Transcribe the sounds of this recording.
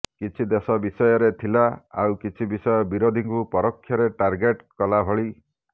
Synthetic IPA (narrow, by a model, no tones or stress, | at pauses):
kit͡ʃʰid̪esɔbisɔjɔɾet̪ʰilaawkit͡ʃʰibisɔjɔbiɾod̪ʱiŋkupɔɾɔkʰːjɔɾeʈaɾɡeʈkɔlabʱɔɭi